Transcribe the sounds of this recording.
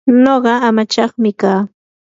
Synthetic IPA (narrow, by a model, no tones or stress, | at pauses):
noɢɑamat͡ʃɑχmɪkaː